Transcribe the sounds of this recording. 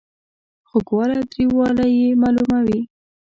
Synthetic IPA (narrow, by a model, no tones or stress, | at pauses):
xʊkwɑlad̪ɾiwɑlajemɑlumawi